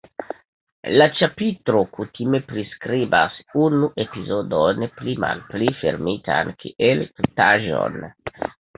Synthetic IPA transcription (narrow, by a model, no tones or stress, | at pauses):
lat͡ʃapitɾo̞kutime̞pɾiskɾibasunuʔe̞pizo̞donplima̰lplife̞̰ɾmitʰankʰiʔeltotaʒo̞̰n